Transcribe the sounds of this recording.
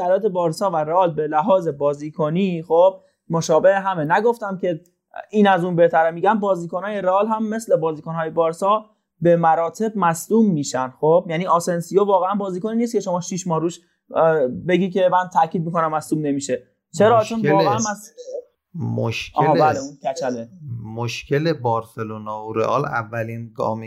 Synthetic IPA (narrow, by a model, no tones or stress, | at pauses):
sæɾlɒːt̪ʰebɒːɾsɒːvæɾeɒːlbe̞læɦɒːze̞bɒːziːkʰonixob̥̚ | moʃɒːbe̞ʔeɦæmenæɡo̞ft̪æmcʲʰe̞ | iːnæzunbe̞ht̪ʰæɾemiːɟæmbɒːziːkonɒːjeɾeːlɦæmːe̞slebɒːziːkonhɒːjebɒːɾsɒː | be̞mæɾɒːt̪ʰe̞b̚mæsluːmːiːʃænxob̥̚jæːniːɒːsensijovɒːɣeænbɒːziːkoniːniːst̪̚cʰe̞ʃo̞mɒːʃiʃmɒːhɾuːʃ | be̞ɡikʲʰe̞mænt̪ʰæcʰiːd̪̚miko̞næmːæsluːmne̞miːʃe̞ | t͡ʃʰeɾɒːt͡ʃʰonːɣeænæs | mo̰ʃkʰːeɦlbæleunkʰæt͡ʃʰælemoʃce̞lebɒːɾselonɒːoɾeʔɒːlæ̰vːæliːnɡɒ̰ːm